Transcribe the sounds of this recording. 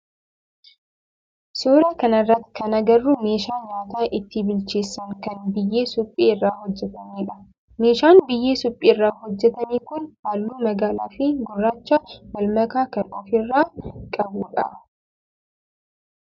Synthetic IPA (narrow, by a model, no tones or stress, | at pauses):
soːɾɐkɐnɐrːɐt̪kɐnɐɡɐrːʊme̞ːʃaːɲaːt̪aːʔɪt̪ːɪbɪlt͡ʃeːsːɐnkɐnbɪjːeːsʊpʼːeːɪrːaːhɔd͡ʒːɛt̪ɐmeːᶑɐ̥ | me̞ːʃaːnbɪjːeːsʊpʼːeːrːaːhɔd͡ʒːɛt̪ɐniːkʊnhaːlːuːmɐɡaːlaːfɪɡʊrːaːt͡ʃːamɐlmɐkaːkɐnɔfɪrːaːkʼɐbuːᶑɐ̰